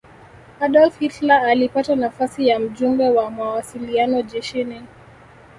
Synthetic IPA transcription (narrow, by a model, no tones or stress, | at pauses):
aɗɔlfhitlaːlipatanafasijam̩ʄumbɛwamawasilianɔʄɛʃini